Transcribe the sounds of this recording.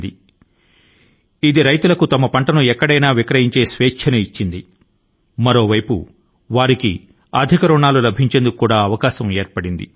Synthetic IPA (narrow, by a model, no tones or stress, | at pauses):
d̪i | id̪iɾɐjt̪ulɐkut̪ɐmɐpɐɳʈɐnuɛkːɐɽɐjnaːʋikɾɐɦiɲt͡ʃe̞ːsʋeːkt͡ʃʰɐnɐit͡ʃːind̪i | mɐɾo̞ːʋɐjpṵ | ʋaːɾikḭ | ɐd̪ʱikɐɾuɳaːlulɐbʱiɲt͡ʃe̞nd̪ukukːuːɽaːɐʋɐkaːsɐme̞ːɾpɐɽind̪ḭ